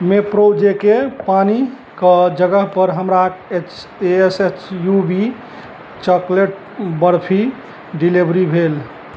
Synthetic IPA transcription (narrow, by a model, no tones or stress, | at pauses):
mepɾod͡ʒekepani | kəd͡ʒəɡəɦpəɾɦəmɾaket͡ʃ | eeset͡ʃjubi | t͡ʃəkleʈ̚ | bəɾpʰi | ɖilibʱɾibʱel